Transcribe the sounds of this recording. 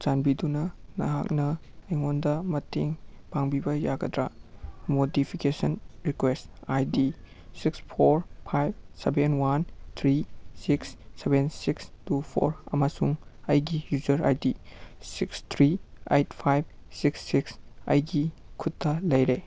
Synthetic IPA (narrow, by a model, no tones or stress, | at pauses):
t͡ʃanbidunɐnɐ̰ɦa̰k̚nɐ | eŋondɐmɐtːḭŋ | b̥aŋbibɐjaɡɐ̰dɾɐmodipʰikesɐnɾikwestajdi | sikspʰoɾpʰajb̚sebenwant̪ʰɾisiksːebensikstupʰo̰ɾɐ̰mɐsuŋɐjɡijuzɐɾa̰jdisikst̪ʰɾiejt̚pʰajb̚siksːiksɐ̰jɡikʰutːɐlɐjɾe